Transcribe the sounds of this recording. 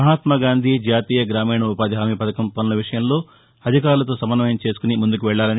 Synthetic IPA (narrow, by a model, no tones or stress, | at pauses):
ɐɦaːt̪mɐɡaːnd̪ʱid͡ʒaːt̪iːjɐɡɾaːmiːɳɐupaːd̪iɦaːmipɐt̪ʰɐkɐmpɐnunɐʋiʂɐjɐmlo̞ː | ɐd̪ʱikaːɾulɐt̪o̞ːsɐmɐnːɐmɐjɐmt͡ʃe̞ːsu̥kunimund̪ukuʋɛɭːaːlɐni